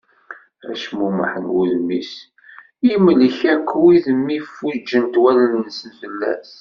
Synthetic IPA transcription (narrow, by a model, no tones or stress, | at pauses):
æ̰ʃmumə̰ħənwuðmḭs | imliçækːwiðəmːifːud͡ʒːənt̪wælənnsənfəlːæ̰s